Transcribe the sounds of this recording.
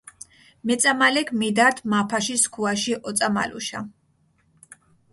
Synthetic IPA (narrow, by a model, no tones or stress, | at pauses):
mɛt̪sʼamalɛkʰmid̪aɾt̪ʰmapʰaʃiskʰuaʃiʔɔt̪sʼama̰lṵʃa̰